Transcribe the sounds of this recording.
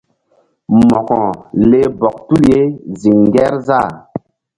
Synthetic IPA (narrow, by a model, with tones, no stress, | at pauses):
mɔ˨kɔ̃˨le˦bɔ˨k̚tu˦lje˦zi˨ŋɡɛ˦ɾza˦˨